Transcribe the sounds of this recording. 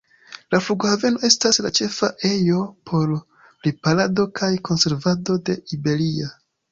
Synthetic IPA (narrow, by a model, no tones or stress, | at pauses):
lafluɡohave̞no̞e̞stasla̰t͡ʃe̞faʔe̞jo̞pʰo̞ɾ | lipalado̞kʰajkʰo̞nse̞ɾvado̞de̞ibe̞lia